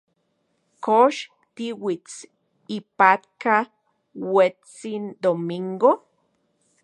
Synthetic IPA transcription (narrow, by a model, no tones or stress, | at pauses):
koʃ | t̪iwit͡s | ipat̪ka | wet͡sind̪omiŋɡo